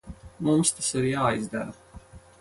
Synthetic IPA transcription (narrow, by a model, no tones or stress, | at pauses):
mumst̪asiɾjaːjzd̪aɾa